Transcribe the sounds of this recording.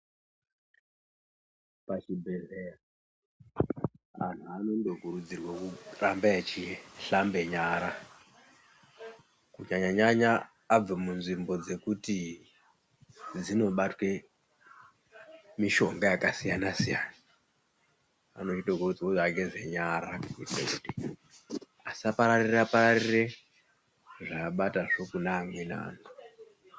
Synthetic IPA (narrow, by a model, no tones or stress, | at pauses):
pat͡ʃibʱeɮeɾa | a̰n̤uano̞nɗoɡʱuɾud͡zirwakurambaet͡ʃiɬambe̞ɲaɾa | kuɲaɲaɲaɲaː | b͡vamunzimbo̞d͡ze̞kuti | d͡zino̞ɓatwe̞ | miʃo̞ŋɡajakasijanasijaːna | a̰not͡ʃiɗoɡorud͡zwoaɡezeɲaɾakuitḛkudi | asiapaɾarirapaɾariire̞ | ʐaɓataʐo̞kunaːŋwena̰ːno